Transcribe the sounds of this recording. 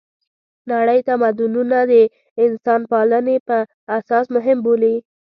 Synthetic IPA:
naɽəjt̪amad̪ʊnunad̪ə | ɪnsɑnpɑlənepə | asɑsmʊɦɪmboli

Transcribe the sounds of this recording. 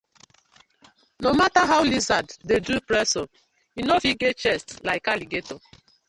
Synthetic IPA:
nomataɦawlizaddedupɾɛso | inofiɡet͡ʃɛstlaɪkaliɡeto

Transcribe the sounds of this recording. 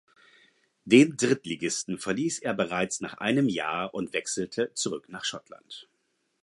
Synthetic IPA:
d̥eːndʁɪtliɡɪstn̩fɛɐliːsʔeːɐbəʁaɪt͡sna̰ːχʔa̰ɪnəmja̰ːɐʔʊntv̥ɛksl̩tʰət͡suʁʏknaːχʃɔtla̰nt

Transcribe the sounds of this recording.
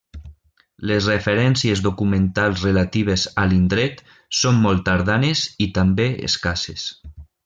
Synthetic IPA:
lezrefeɾɛnsiezðokumẽnt̪alˠzrelat̪iβ̞ezalind̪ɾɛt̪ | somːɔlˠt̪aɾðanezit̪ambeḛskases

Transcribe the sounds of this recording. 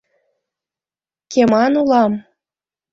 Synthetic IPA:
kemɑnulɑm

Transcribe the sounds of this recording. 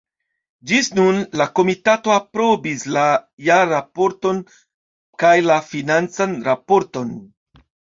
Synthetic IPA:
d͡ʒisnunlako̞mitato̞apɾo̞bislajaɾapo̞ɾto̞n | kajlafinant͡sanɾapo̞ɾto̞n

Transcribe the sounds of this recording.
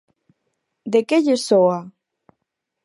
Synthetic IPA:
d̪ekeʎesoa

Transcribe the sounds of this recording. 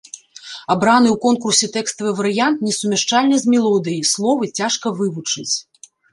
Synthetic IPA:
abɾanɨwkɔnkursʲɛt̪ɛkst̪ɐvɨvɐɾɨjant̪nʲɛsumʲɛʂt͡ʂalʲnʲɐzʲmʲɛlˠɔd̪ɨjijslˠɔvɨt͡sʲaʂkɐvɨvut͡ʂɨt͡sʲ

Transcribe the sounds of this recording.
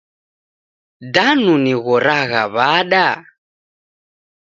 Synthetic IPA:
danuniɣɔɾaɣa̰βaɗa

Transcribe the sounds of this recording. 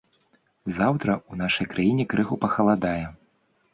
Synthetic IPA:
zawt̪ɾɐunaʂɐjkɾʔajinʲɛkɾɨɣupɐxɐlˠad̪ajɛ

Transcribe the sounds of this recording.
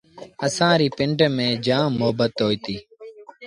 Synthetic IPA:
əsãːɾiːpɪɳɖmẽːd͡ʒãːmoːbət̪ɦoːiːt̪iː

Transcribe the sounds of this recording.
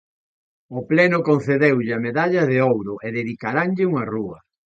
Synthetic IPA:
oplɛnʊkon̟θeðewʎɪɐmeðaʎɐðeowɾʊʔeðeðikaɾaŋʎɪuŋɐruɐ

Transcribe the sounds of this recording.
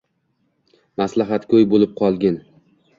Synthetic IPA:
maslaɦat̪kʲʰɵjbolɪp̚qʰɒlˠɡʲɪn

